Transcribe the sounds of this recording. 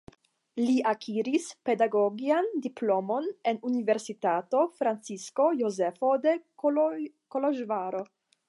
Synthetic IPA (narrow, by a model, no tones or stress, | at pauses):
liʔakʰiɾispe̞daɡoɡiandiplo̞mo̞nenunive̞ɾsitato̞fɾant͡sisko̞jozefode | koloʒvaɾo̞